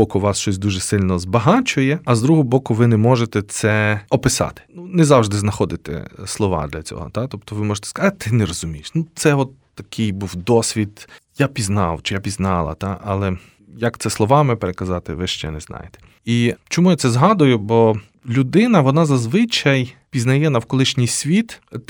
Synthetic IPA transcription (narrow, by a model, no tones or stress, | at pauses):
ɔkʊʋɑsʃt͡ʃɔsʲd̪uʒɛsɪlʲnɔzbɐɦɑt͡ʃʊjɛɐzd̪ɾuɦɔɔbɔkʊʋɪnɛmɔʒet̪ɛt̪sɛɔpɪsɑ̰t̪ɪ̥nunɛzɑwʒd̪ɪznɐxɔd̪ɪt̪ɛ̰slˠɔʋɑ̰d̪lʲɐt͡sʲɔ̰ɦɔ̰t̪at̪ɔpt̪ɔʋɪmɔʒet̪ɛ̥skɐzɑt̪t̪ɪnɛɾɔzʊmʲijɪʃnut̪sɛɔt̪ːɐkʰɪjbuwd̪ɔsʲʋʲid̪japʲiznɑ̰wt͡ʃɪjapʲiznɑlˠɐ̰t̪ɑʔɑlˠɛ | jɐkt̪sɛslˠɔʋɑmɪpeɾekɐzɑt̪ɪʋɪʃt͡ʃɛ̰nɛznɑ̰jet̪ɛ̥ | it͡ʃɔmujat̪sɛzɦɑd̪ʊjʊbɔ | lʲʊd̪ɪnɐʋɔnɑzɐzʋɪt͡ʃɐjpʲiznɐjɛnɐwkɔlˠɪʃnʲijsʲʋʲit̪